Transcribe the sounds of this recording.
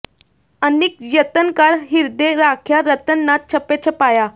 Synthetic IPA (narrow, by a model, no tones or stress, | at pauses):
ənik̚jət̪ənkaɾɦiɾd̪eɾakʰjaɾət̪ənːat̪̚t͡ɕʰəpet͡ɕʰəpaja